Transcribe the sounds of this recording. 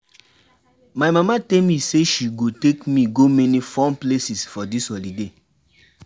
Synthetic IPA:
majmamatɛlmiseʃiɡotekmiɡomɛnifɔ̃mplesisfɔdishɔlide

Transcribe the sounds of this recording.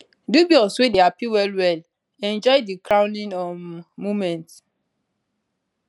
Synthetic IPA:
dubiɔswedeapiwɛlwɛl | ɛ̃nd͡ʒɔjdikɹãw̃nĩnɔmumɛ̃nt

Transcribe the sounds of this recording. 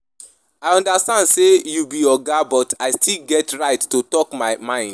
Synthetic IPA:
aɪɔ̃ndastãndsejubijɔɡabɔtaɪstʰilɡɛtɹaɪtːotɔkmaɪmãɪ̃nd

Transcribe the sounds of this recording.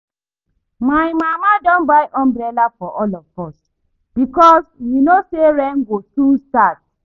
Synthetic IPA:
majmamadɔ̃nbajʔɔ̃mbɾɛlafɔʔɔlɔvɔs | b̥ikɔsjunoseɹɛ̃ŋɡosũnstat̚

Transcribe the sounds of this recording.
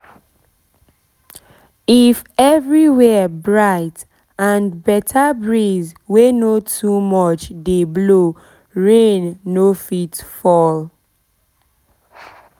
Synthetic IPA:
ifɛvɹiwɛbɹaɪt | ãnbɛtʰabɹizwenotʰumɔt͡ʃdeblo | ɹẽnːofitfɔl

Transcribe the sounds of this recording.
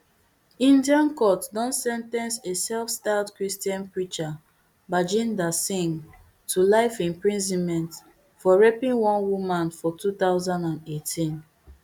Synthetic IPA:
ĩndiãnkɔtdɔ̃nsɛ̃ntɛ̃nsesɛlfstaldkɹistiɔ̃npɹit͡ʃa | bad͡ʒĩndasĩŋ | tʰulaɪfĩmpɹĩnzĩnmɛ̃nt | fɔɹɛpĩŋwɔ̃nwumãnfɔtʰuθaʊzãndãndetʰĩn

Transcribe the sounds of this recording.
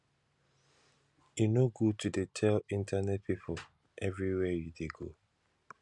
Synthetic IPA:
junoɡutʰudetʰɛlĩntʰanɛt̚pʰipʰʊ | ʔɛvɹiwɛjudeɡo

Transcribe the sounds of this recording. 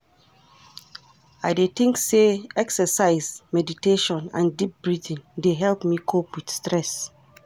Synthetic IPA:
aɪdet̪ɪ̃ŋkseɛksəsaɪzmɛditeʃɔ̃nã̰ndip̚b̥ɹidĩndeɦɛlpmikʰopwid̥stɹɛs

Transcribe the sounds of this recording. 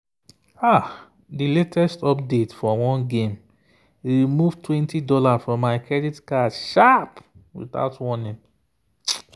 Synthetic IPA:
a | diletʰɛstɔp̚detfɔwɔ̃nɡẽm | ɹimuvtwɛ̃ntidɔlafɹɔ̃mːaɪkʰɹɛditkaʃapwḭθa̰ʊtwɔnĩn

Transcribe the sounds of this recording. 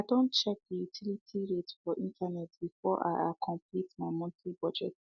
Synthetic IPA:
adõntt͡ʃɛk̚dijutʰilitʰiɹetfɔʔĩntʰanɛtb̥ifɔʔa̰akʰɔ̃mplitmaɪmɔ̃ntʰlibɔd͡ʒɛ̰t

